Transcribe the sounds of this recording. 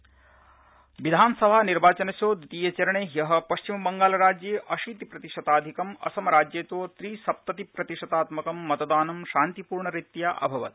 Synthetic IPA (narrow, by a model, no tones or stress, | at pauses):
ʋid̪ʱaːnɐsɐbʱaːniɾbaːt͡ʃɐnɐsoːd̪ut̪iːjɐt͡ʃɐɾɐɳeːɦjɐɦɐ̆pɐʃt͡ʃimɐbɐŋɡaːlɐɾaːd͡ʒjeːʔɐʃiːt̪ipɾɐt̪iʂɐt̪aːd̪ʱikɐmɐ̰sɐmɐɾaːd͡ʒjeːt̪oːt̪ɾiːsɐp̚t̪ɐt̪ipɾɐt̪iʂɐt̪aːt̪mɐkɐmːɐt̪ɐd̪aːnɐmʃaːnt̪ipuːɾɳɐɾit̪jaːʔɐ̰bʱɐʋɐt̪̚